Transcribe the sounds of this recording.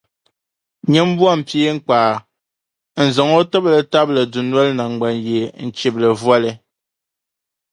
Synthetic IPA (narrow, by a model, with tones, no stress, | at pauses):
ɲe˦m̩˦bwa˦˨m̩˨pje˦ŋ̩˨k͡paː˨ | n̩˨zɔ˨ŋo˦tə˦blɛ˨ta˦p̚lɛ˨du˨nwɛ˦lna˨ŋ˨ɡ͡ba˨nje˨n̩˨t͡ʃi˨p̚lɛ˨vwa˦lɛ˨